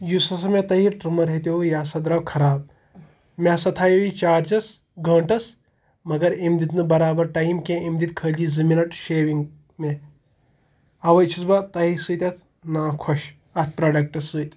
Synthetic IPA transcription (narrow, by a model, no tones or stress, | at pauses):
jusɐsɐmet̪ɐɦiʈɾumɐɾɦet̪̬eujaːsɐd̪ɾaːwkʰɐɾaːb̚ | mʲaːsɐt̪ʰaːjoʋit͡ʃaːɾd͡ʒɐs | ɡɐːɳʈɐs | mɐɡɐɾemd̪it̪nɨbɐɾaːbɐɾʈajmkẽemd̪it̪̚kʰəːliːzɨminɐʈʃeːʋiŋɡ | me | ɐʋɐjt͡ʃʰusbat̪ɐɦisɨːt̪ʲɐt̪ʰ | naːkʰoʃ | ɐt̪ʰpɾaːɖɐk̚ʈɐsːɨːt̪